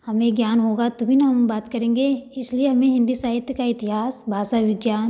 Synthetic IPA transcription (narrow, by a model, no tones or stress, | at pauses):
hɐmẽɡjaːnɦoːɡat̪obʱinaɦɐmbaːt̪kɐɾẽːŋɡeɪslieɦɐmẽɦɪ̃nd̪isaːɦɪt̪kaɪt̪ɪɦaːsbʱaːsaʋɪɡjaːn